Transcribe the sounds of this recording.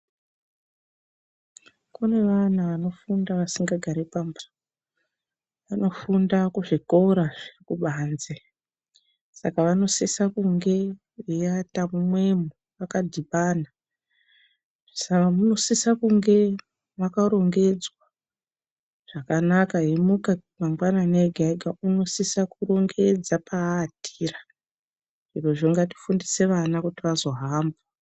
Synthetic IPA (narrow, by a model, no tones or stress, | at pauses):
kune̞ʋanaʋano̞fundaʋasiŋɡaɡʱaɾepambḁ | ʋano̞fundakuʐiko̞ɾaʐirikuɓaːnze | sakaʋano̞sesakuŋɡe̞ | ijatamumwe̞mu | ʋakadʱiɓana | sakamuno̞sisakuŋɡe̞ | ʋakaɾo̞ŋɡe̞d͡zwa | ʐ̥akanakaɦemukamaŋɡwananeɡʱaiɡauno̞sisakuro̞ŋɡe̞d͡zapaːtʰiːra | ʐ̥iro̞ʐoŋɡati̥fundise̞ʋanakutiʋazo̞ɦaːmbo